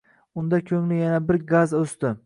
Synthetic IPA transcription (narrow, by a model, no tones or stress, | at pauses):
ʊnd̪akʲʰɵŋlɪjanabɪɾɡazɵst̪ɪ